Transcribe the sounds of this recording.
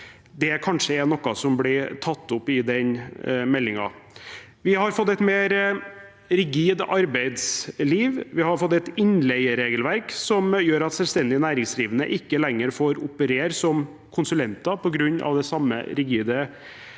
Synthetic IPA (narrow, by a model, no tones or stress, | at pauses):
d̪ɛkʰɑnʂəɛnɔkːɑsɔmblɪt̪ʰɑt̪ːʊpːɪd̪ɛnmɛlːɪŋɑ̰ | ʋɪhɑɾfɔt̪ːɛt̪meːɾ | ɾɪɡiːd̪ɑɾbæɪd̪sliːʋʋɪhɑɾfɔt̪ːɛt̪ɪnlɛɪəɾeːɡəlʋæɾksɔmjøːɾɑt̪sɛlst̪ɛnd̪ɪnæːɾɪŋsliːʋənə̰ʔɪkːəlɛŋːəɾfoːɾʊpəɾeːɾsɔm | kʰʊnsʉlɛnt̪ɑpʰɔɡɾʉɲːʔɑ̰ʋd̪ɛsɑmːə̰ɾɪɡiːd̪ə